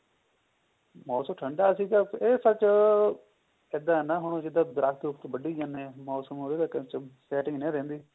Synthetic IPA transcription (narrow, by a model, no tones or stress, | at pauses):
mɔːsəmʈʰəɳɖaːsiːt̪aːeːsət͡ʃ | ɪd̪ãːnãːɦʊɳ̃õd͡ʒɪd̪aːd̪əɾakʰt̪ʊpt̪bəɖiːd͡ʒãːneːmɔːsəmoːɾed̪aːkət͡ʃəsɛːʈɪ̃ŋɡnẽːɾẽːnd̪iː